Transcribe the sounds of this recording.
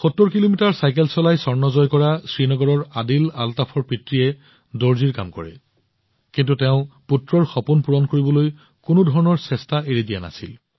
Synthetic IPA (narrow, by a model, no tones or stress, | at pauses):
xotːoɹkilomitaɹsajkelsɔlajsɔɹnɔzɔjkɔɹasɹinɔɡɔɹɔɹadilaltapʰɔɹpɹitɹiɛ | doɹziɹka̰mkɔ̰ɹɛ̰ | kintuteʊ̃putɹɔɹxɔpunpuɹɔnkoɹibɔloj | kʊnʊdʱɔɹɔnɔɹsɛstaeɹidijana̰sḭl